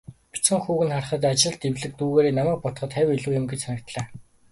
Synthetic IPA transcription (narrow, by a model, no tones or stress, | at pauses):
pu̥t͡sɘ̆ŋxuːɣɘ̆nχar̆χə̆t̪̬at͡ɕɪ̆ɮt̪ewɮɘ̆k̚t̪uːɣeːɾeːnamæːk̚pɔt̪χə̆t̪χæwʲiɮuːjɪ̆mɡet͡ɕsʰanʲɪ̆kt̪ɮaː